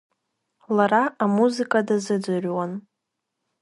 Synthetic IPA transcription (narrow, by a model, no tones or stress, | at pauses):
laraʔamuzɨkʼadazɨd͡zɨrʲwan